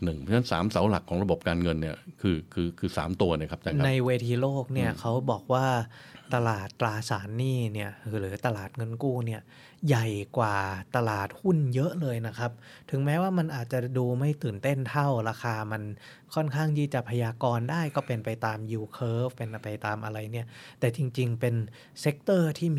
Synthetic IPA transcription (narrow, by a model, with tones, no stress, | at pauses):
nɯ˨˩ŋʰ˥nʰa˥nsa̰ː˩˦msa˩˦wla̰˨˩kʰɔː˩˦ŋɾa˧bo˨˩p̚kaː˧nŋɤ˧nːi˥˩ɐkʰɯː˧kʰɯː˧kʰɯː˧sa̰ː˩˦mt̪u˧ɐna˧˥˩kʰa˦˥p̚t͡ɕa˥˧ŋna˧jweː˧t̪ʰiː˧loː˥˩k̚ni˥˩ɐkʰa˦˥wbɔː˨˩k̚waː˥˩t̪ːa˧laː˨˩t̪ːɾaː˧saː˩˦nːiː˥˩ni˥˩ɐ˧ɾɯː˩˦t̪a˧laː˨˩t̪̚ŋɤ˧nkuː˥˩ni˥˩ɐ | ja˨˩jkwaː˨˩t̪a˧laː˨˩t̪̚hu˥˩njɤ˦˥ʔlɤː˧jna˦˥kʰa˦˥p̚ | t̪ʰɯ˩˦ŋmɛː˦˥waː˥˩ma˧nʔaː˨˩t̪̚t͡ɕa˨˩duː˧ma˥˩jt̪ɯː˨˩nt̪e˥˩nt̪ʰa˥˩wɾaː˧xʰaː˧ma˧n | kʰɔ˥˩nkʰaː˥˩ŋdiː˧˩t͡ɕa˨˩pʰːa˧jaː˧kɔː˧ndaː˥˩jkɔː˥˩pe˧npa˧jt̪aː˧mjuː˧kʰɤː˦˥fpe˧npa˧jt̪aː˧mʔa˧ɾa˧jni˥˩ɐt̪ɛː˨˩t͡ɕi˧ŋt͡ɕi˧ŋpe˧n | se˦˥k̚t̪ɤː˥˩t̪ʰiː˥˩